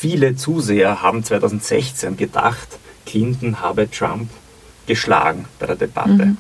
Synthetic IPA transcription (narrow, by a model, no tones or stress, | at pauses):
fiːlət͡suːzeːɐhaːbm̩t͡sv̥aɪtʰɑʊzn̩tz̥ɛ̰çt͡senɡəda̰χtkʰlɪntn̩haːbətʁ̥a̰mp | ɡ̥əʃla̰ːɡŋ̩b̥aɪdeːɐdeb̥a̰tə